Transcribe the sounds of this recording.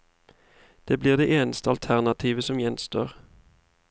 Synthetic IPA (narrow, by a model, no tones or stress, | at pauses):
d̪̥eːbliːʁd̪eːʔeːnəst̪əɑlt̪ʰæʁnɑt̪ʰiːʋəsɔmjɛnst̪o̰ːʁ